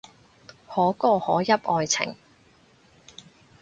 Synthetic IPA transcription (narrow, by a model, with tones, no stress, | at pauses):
hɔː˨˥kɔː˧hɔː˨˥jɐ˥p̚ʔɔː˧jt͡sʰɪ̰˨˩ŋ